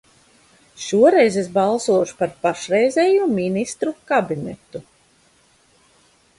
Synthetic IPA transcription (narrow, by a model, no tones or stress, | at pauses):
ʃuɔɾɛjzes̬bɑlˠsuɔʃu̥paɾpaʃɾɛjzʲɛjuminist̪ɾukabinɛ̰t̪u